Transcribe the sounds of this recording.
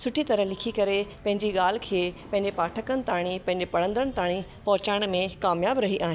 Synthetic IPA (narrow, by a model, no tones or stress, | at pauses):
sʊʈʰit̪ɐɾəɦlɪkʰikɐɾepɐ̃ɦɪ̃ɲd͡ʑiɠaːl̤ɪ̆kʰeːpɐ̃ɦɪ̃ɲd͡ʑepaːʈʰəkənɪ̆t̪aːɽ̃ipɐ̃ɦɪ̃ɲd͡ʑepɐɽə̃nd̪əɽ̃̆t̪aːɽ̃ipɐɦʊt͡ɕaːɪɽ̃mẽkaːmjaːbɾɐɦiʔaːɦɪ̃